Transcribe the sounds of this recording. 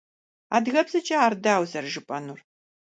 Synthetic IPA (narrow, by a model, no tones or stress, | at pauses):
aːdɣɐbzɐt͡ʃʼɐaːrdɐːwzɐrʒɨpʼɐnur